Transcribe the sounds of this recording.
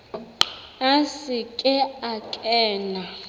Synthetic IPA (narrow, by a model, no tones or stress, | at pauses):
asikʼɛakʼɛːna